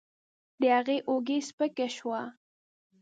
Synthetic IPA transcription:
d̪əhaɣeʔoɡespəkaʃwa

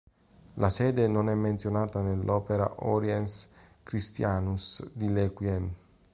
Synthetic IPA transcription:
lasɛːd̪enonɛmːent̪sjonaːt̪anelːʔɔːpeɾa̰ʔɔɾjɛns | kɾist̪jaːnusd̪ilɛkwiɛn

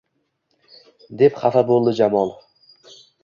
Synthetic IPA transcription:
d̪e̞pχafabolˠd̪ɪd͡ʒamɒlˠ

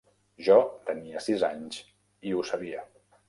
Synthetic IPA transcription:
ʒɔt̪əniəsiza̰ɲs | iusəβiə

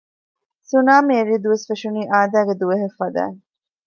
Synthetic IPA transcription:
sunaːmeeɾiːd̪uʋesfeʃuniːʔaːd̪æːɡed̪uʋeɦefːɐd̪æ̰ː

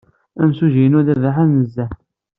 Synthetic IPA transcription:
æmsuʒijənʊðæðaħænəzːæ

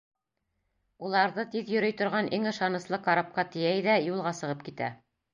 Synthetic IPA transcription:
ulˠɑɾðɤt̪iðjɵ̆ɾɵjt̪ŏɾʁɑnʔiŋɤ̆ʃɑnɤ̆slˠɤqɑɾɑp̚qɑt̪ɘ̆jæjðæjulˠʁɑsɤ̆ʁɤp̚kit̪æ̰

